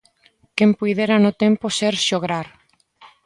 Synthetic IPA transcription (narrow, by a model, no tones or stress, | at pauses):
kempujðeɾanʊt̪emposeɾʃoɣɾaɾ